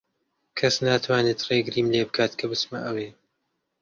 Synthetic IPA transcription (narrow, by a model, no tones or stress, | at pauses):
kʰɐsnaːt̪ʰwaːneːt̪reːɡɾiːmleːbɨkʰaːt̪kʰɐbɨsmɐ̰ʔɐweː